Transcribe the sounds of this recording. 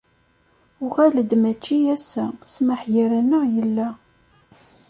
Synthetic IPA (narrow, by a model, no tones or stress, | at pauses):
ʊʁæləd̪mæt͡ʃːiæsːæsməħjəɾænːəʁjəlːæ